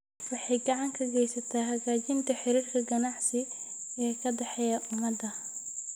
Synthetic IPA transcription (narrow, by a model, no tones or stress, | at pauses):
fɑħɪɡɑʕɑŋkʰɐɡɛjsɐt̪ʰɐɦɐɣaːt͡ʃɪnt̪ʰɐħɪɾiːrkʰɐɡɐnɑʕsɪ | ɛːkʰɐd̪ɐħɛjɐʔʊmɐd̪ɐ